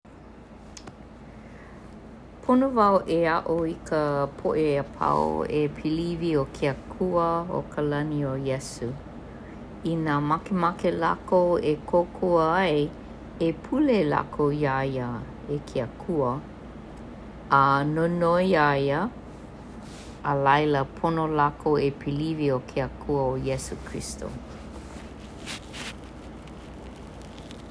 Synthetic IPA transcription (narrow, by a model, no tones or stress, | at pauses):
pʰonovawʔeaʔoikəpʰoʔeəpʰa̰o̰epʰiliviokʰeəkʰuəo̰kʰəlɐniojɛsu | inaːmakemakela̰koekʰokʰoəɐe | epʰulela̰kʰojajə | ekʰeəkʰuə | ənonoajə | əlɐjləpʰonolakoepʰiliviokʰeəkʰuəojesukʰɹḭsto̰